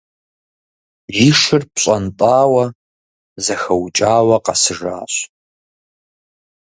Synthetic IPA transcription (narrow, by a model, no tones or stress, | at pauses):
jiʂɨrpɕʼɐntʼaːwɐ | zɐxɐwt͡ʃʼaːwɐqɑsɨʐa̰ːɕ